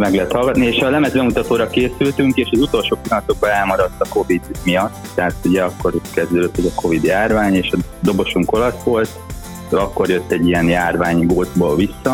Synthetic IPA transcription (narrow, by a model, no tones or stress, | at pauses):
mɛɡlɛɦɛt̪hɒlɡɒt̪nieːʃɒlɛmɛzbɛmut̪ɒt̪oːɾɒkeːsylt̪yŋkeːʃɒzut̪o̞lʃoːpilɒnɒt̪o̞ɡ̚bɒɛlmɒɾɒt̪ːɒko̞vid̪mijɒt̪ːɛɦat̪uɟɛɒkːo̞rkɛzd̪øːd̪øt̪ːɛzɒko̞vid̪jaːrvaːɲeːʃɒd̪o̞bo̞ʃuŋko̞lɒsʋo̞lt̪ | ɒkːo̞rjøt̪ːɛɟːiɛnjaːrvaːɲɡoːd̪zboːlvisːɒ